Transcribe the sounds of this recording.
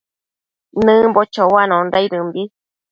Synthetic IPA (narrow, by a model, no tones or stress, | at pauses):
nɨ̃bot͡ʃowanõnɾaiɾɨmbi